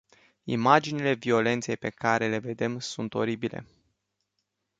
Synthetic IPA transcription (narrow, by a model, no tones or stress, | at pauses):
ḭmad͡ʒinile̞vio̞le̞nt̪se̞jpe̞kaɾe̞le̞ve̞d̪e̞msunt̪o̞̰ɾibile̞̰